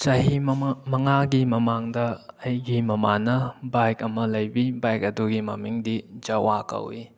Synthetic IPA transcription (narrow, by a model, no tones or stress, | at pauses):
t͡ʃɐɦimmɐŋaɡimɐmaŋdɐːjɡimɐmanɐbajk̚ɐmɐlɐjbibajk̚ɐduɡimɐ̰miŋdid͡ʒɐwakɐ̰wi